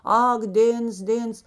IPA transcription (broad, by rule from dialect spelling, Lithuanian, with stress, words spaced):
ˈɐk ˈdʲeːns ˈdʲeːns